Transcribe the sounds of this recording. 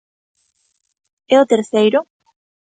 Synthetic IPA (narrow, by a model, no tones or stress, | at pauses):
ɛot̪eɾsejɾo